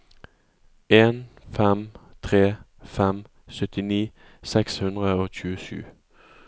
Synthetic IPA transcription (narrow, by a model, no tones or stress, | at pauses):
ʔeːnfɛmt̪ʰʁeː | fɛm | sœt̪ɪniː | sɛkshʉnd̪ʁəoːc͡çʉːəʃʉ̰ː